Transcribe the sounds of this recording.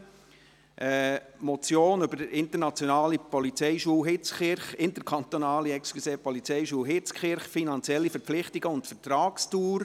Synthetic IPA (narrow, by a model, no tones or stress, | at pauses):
ʔɛmɔt͡sjoːnʏbəɾɪnt̪əɾnɑt͡sjonɑːlipɔlit͡sɛɪʃuːwɦɪt͡skχɪɾχɪntəkʰɑnt̪onɑːliɛkskluseːpɔlit͡sɛɪʃuːɦɪt͡skχɪɾχfinɑnt͡sjɛlːifəɾpp͡flɪχtiɡ̥əʊntfərtɾɑːkstuːɾ